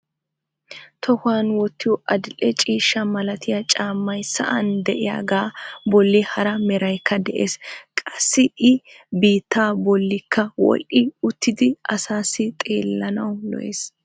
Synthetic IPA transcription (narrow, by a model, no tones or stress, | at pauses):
t̪ʰɔhaːnwɔt̪ːɪjɔʔɐd̪ɪlɛt͡ʃʼiːʃːɐmɐlɐt̪ʰɪjɐt͡ʃʼaːmːɐjsɐ̰ʔɐnd̪ɛʔɪja̰ːɡaːbɔlːɪhɐɾɐmɛɾɐjkʰːɐd̪ɛʔḛːskʼɐsːɪʔɪ | biːt̪ːaːbɔlːɪkʰːɐwɔ̰lʔɪʊt̪ʰːɪd̪ɪʔɐsaːsɪt̪ʼe̞̰ːlːɐnɐwlɔ̰ʔḛːs